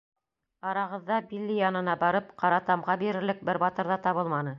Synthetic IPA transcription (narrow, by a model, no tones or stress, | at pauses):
ɑɾɑʁɤ̆ðːɑbilːijɑnɤ̆nɑbɑɾɤpqɑɾɑt̪ɑmʁɑbiɾɘ̆ɾlɘk̚bɘɾbɑt̪ɤ̆ɾðɑt̪ɑβɤlˠmɑnɤ